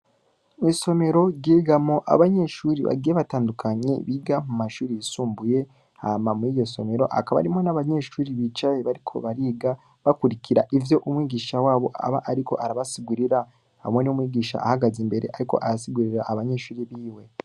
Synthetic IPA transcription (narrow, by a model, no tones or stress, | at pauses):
miso̞me̞ɾo̞ɾɟiɡamoʔa̰βaɲeʃuːɾiβa̰ɡieβataːndukʰaɲe̞̰βiɡamumaʃuːɾijisuːmbuje̞ | a̰mamuiːjo̞so̞me̞ɾo̞̰ʔa̰kaβa̰ɾimo̞naβaɲe̞ʃuːɾiβit͡ʃajeβaɾikʰo̞̰βaɾiːɡa | βakuɾiciɾa̰ʔivjo̞ʔumwiːɡiːʃawaːβo̞̰ʔa̰βa̰ʔːɾiko̞̰ʔaɾaβasiɡuɾiɾa | ha̰mweniumwiːɡiːʃa̰ʔːhaɡazimbe̞ɾe̞ʔaɾiko̞̰ʔaɾasiɡuɾiɾaʔːβaɲe̞ʃuːɾiβiːwe̞